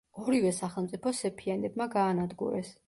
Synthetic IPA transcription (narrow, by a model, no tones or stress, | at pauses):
ɔɾivɛsaχɛlˠmt̪ʼipʰɔsɛpʰianɛbmaɡaːnad̪ɡṵɾɛs